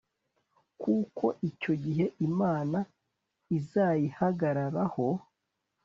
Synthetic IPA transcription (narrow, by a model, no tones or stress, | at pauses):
kuːko̞ʔico̞ɟiɦe̞ʔimaːna | izaːjihaɡaɾaɾaho̞